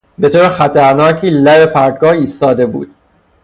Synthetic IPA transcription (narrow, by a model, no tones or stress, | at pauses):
be̞t̪ʰoːɾexæt̪ʰæɾnɒːcʰiːlæɾepʰæɾɡɒːiːst̪ɒːd̪e̞bṵːd̪̥